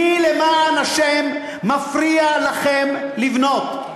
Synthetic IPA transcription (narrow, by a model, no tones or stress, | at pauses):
ilemaːnaʃemː | afʁialaχemlivno̞t̪